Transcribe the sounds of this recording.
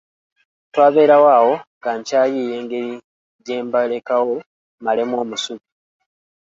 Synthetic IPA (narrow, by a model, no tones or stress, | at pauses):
twaːβe̞ːɾawaːwo̞ŋɡaɲcaːjiːje̞ːŋɡe̞ɾi | ɟe̞ːmbale̞kawo̞ | malemwo̞ːmusuβu